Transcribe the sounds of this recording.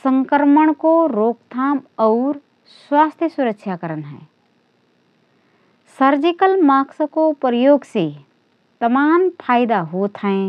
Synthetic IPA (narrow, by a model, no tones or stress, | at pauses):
sə̃ŋkəɾməɳ̃koɾoːkt̪ʰaːmɔːɾ | swaːst̪ʰjəsʊɾəkʃjakəɾənɦɛ̰ː | səɾd͡ʒɪkəlmaːksəkopɾəjoːɡse | t̪ɐmaːmpʰaːɪd̪aɦoːt̪ʰəẽː